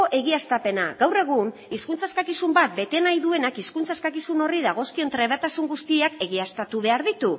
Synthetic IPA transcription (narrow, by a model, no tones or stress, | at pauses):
oʔe̞ɣiast̪ape̞naɣawre̞ɣ̞uniskunt͡saskakisumbat̪̚be̞t̪e̞najðue̞nakiskunt͡saskakisuno̞riðaɣ̞o̞skio̞nt̪ɾe̞βat̪asuŋɡust̪iake̞ɣiast̪at̪uβe̞aɾðit̪u